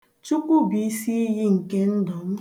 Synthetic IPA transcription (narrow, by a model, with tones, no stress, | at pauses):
t͡ʃu˦kʷu˦bi˨˦si˦i˦ji˦ŋ̩˨ke˦n̩˦dɔ˨m̩˦